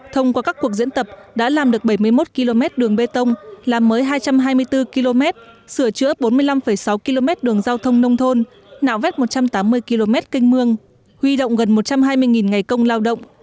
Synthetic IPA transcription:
t̪ʰə˧wŋ͡mkwaː˧kaː˦˥kːu˨˩ək̚zḭ˧˥ənt̪ə˨˩p̚ɗa̰ː˧˥laː˨˩mɗɨ˨˩ək̚ɓa˧˩jmɨ˧əjmo˦˥t̚ki˧lo˧mɛ˦˥t̚ɗɨ˨˩əŋɓe˧t̪ə˧wŋ͡mlaː˨˩mːəː˨˦jɦaː˧jt͡ɕa˧mɦaː˧jmɨ˧əjt̪ɨ˧ki˧lo˧mɛ˦˥t̚sɨ˧˩ət͡ɕɨ̰˧˥əɓo˨˦nmɨ˧əjla˧mfə˧˩jsa˨˦wki˧lo˧mɛ˦˥t̚ɗɨ˨˩əŋzaː˧wt̪ʰə˧wŋ͡mnə˧wŋ͡mt̪ʰo˧n | na̰ː˧˨wvɛ˦˥t̚mo˨˩t̚t͡ɕa˧mt̪aː˨˦mːɨ˧əjki˧lo˧mɛ˦˥t̚ki˧ŋ̟mɨ˧əŋ | hwi˧ɗo̰˧˨wŋ͡mɣə˨˩nmo˨˩t̚t͡ɕa˧mɦaː˧jmɨ˧əjŋi˨˩nŋa˨˩jkə˧wŋ͡mlaː˧wɗə̰˧˨wŋ͡m

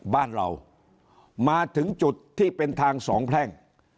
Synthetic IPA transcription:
baː˥˩nɾa̰˧w | maː˧t̪ʰɯ˩˦ŋt͡ɕu˨˩t̪ʰːiː˥˩pe˧nt̪ʰaː˧ŋsɔ̰ː˩˦ŋpʰlɛ˥˩ŋ

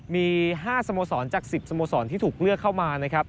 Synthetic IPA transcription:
miː˧ɦaː˥˩sa˧moː˧sɔː˩˦nt͡ɕaː˨˩k̚si˨˩p̚sa˧moː˧sɔː˩˦nt̪ʰiː˥˩t̪ʰuː˨˩k̚lɯ˥˩əkʰːa˥˩wmaː˧na˦˥kʰɾa˦˥p̚

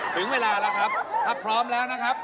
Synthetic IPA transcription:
t̪ʰɯ˨˩˦ŋweː˧laː˧la˦˥wkʰɾa˦˥p̚ʰa˦˥˩pʰɾɔː˦˥mlɛː˦˥wna˦˥kʰa˦˥p̚

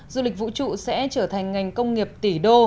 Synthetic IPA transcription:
zu˧lï˨˩k̚vṵ˧˨t͡ɕṵ˧˨sɛ̰˧˥t͡ɕəː˧˩t̪ʰa˨˩ŋ̟ŋa˨˩jŋ̟kə˧wŋ͡mŋi˨˩əp̚t̪i˧˩ɗo˧

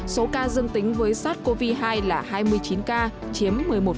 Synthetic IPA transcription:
so˨˦kaː˧zəŋt̪ï˨˦ŋ̟vəː˨˦jsaː˦˥t̚ko˧vi˧ɦaː˧jlaː˨˩haː˧jmɨ˧əjt͡ɕi˨˦nkaː˧ | t͡ɕi˨˦əmːɨ˨˩əjmo˨˩

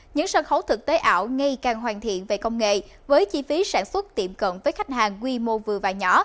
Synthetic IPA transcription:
ɲɨ̰˧˥ŋsəː˧˩nxə˧˦wt̪ʰɨ˨˩k̚t̪e˨˦ʔaː˧˩˨wŋa˧jkaː˨˩ŋɦwaː˨˩nt̪ʰḭ˧˨ənve˨˩kə˧wŋ͡mŋḛ˧˨vəː˨˦jt͡ɕi˧˩fi˨˦saː˧˩nswə˦˥t̚t̪ḭ˧˩mkə̰˧˨nvəː˨˦jxa˦˥jk̟̚haː˨˩ŋkwi˧mo˧vɨ˨˩əvaː˨˩ɲɔ˧˨˦

